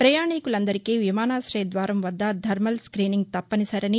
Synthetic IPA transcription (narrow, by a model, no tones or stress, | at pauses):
pɾɐjaːɳikulɐnd̪ɐɾikiːʋimaːnaːsɾeːd̪ʋaːɾɐmʋɐd̪ːɐd̪ʱɐɾmɐlskɾiːniŋɡ̚t̪ɐpːɐnisɐɾɐni